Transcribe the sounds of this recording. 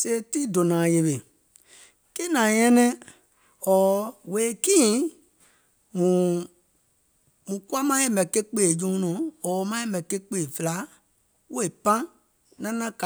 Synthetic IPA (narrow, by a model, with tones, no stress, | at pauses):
se˦˧˦ti˦do˨nã˨je˨βe˨ | ki˦nã˨ɲɛ̃˦nɛ̃˦ | ɔː˨we˨˦kĩ˦ | mũ˨ | mũ˨ku˦a˦mã˦je˦˨mɛ̃˨ke˦k͡peː˨d͡ʒũ˦nɔ̃˨ɔː˨˦mã˦e˦mɛ̃˨ke˦k͡pe˦˨fə˨˧la˨˦ | wo˦e˨pã˦ | nã˦nã˦ka˨